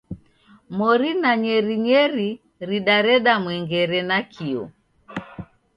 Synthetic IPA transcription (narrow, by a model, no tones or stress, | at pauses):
mɔɾinaɲɛɾiɲɛɾi | ɾiɗaɾɛɗamwɛŋɡɛɾɛnakʰiɔ̰